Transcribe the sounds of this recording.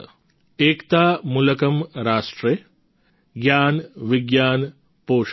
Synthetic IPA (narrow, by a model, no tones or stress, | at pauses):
eːkt̪aːmulɐkɐmɾaːʂʈɾe | ɡjaːnʋiɡjaːn | poːʂ